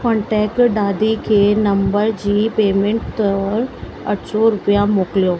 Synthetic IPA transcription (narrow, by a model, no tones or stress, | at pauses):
kɔ̃ɳʈɛːkʈɖaːd̪ikʰeːnɐ̃mbəɾd͡ʑiːpeːmẽɳʈtɔːɾ | ɐ̰ʈʰsɔɾʊpijamoːkɪlijoː